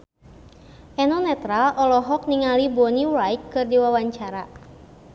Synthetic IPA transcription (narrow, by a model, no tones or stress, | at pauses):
ʔɛnɔnɛt̪ɾalʔɔlɔɦɔk̚niŋalibɔniwajk̪̚kɨrdiwawaɲt͡ʃaɾa